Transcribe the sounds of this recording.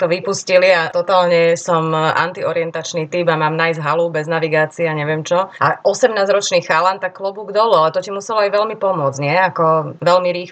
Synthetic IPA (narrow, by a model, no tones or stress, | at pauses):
t̪ɔʋipusciliat̪ɔt̪aːlɲɛsɔma̰nt̪iɔɾiɛnt̪at͡ʃniːt̪ibamaːmnajzɦalubɛznaʋiɡaːt͡siaɲɛʋɪɛmt͡ʃɔʔaʔɔsɛmnaːzɾɔt͡ʃniːxalant̪akːlɔbuːɡd̪ɔlualɛt̪ɔcimusɛlɔajʋɛlmipɔmʊɔd͡zɲɪɛakɔʋɛlmiɾiːx